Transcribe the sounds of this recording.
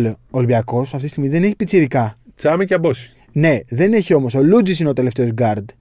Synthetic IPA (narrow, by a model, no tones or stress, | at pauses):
looːlbiɐko̞sɐft̪ist̪iɣmizðe̞ne̞çi̥pit͡siɾikɐt͡sɐmiceɐbosi̥ | ne̞ðe̞ne̞çio̞mo̞so̞lud͡zis̬inet̪e̞le̞ft̪e̞ozɡɐɾd̪